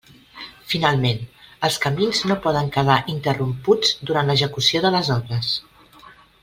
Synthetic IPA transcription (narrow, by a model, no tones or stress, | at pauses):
finalˠmenəlˠskəminznopɔðəŋkəðaʔint̪ərumpud͡zd̪uɾant̪ləʒəkusioðələzɔβɾəs